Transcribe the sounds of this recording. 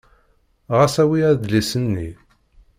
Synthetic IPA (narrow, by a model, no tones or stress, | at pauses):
ʁæsæwiæðd̪lisənːi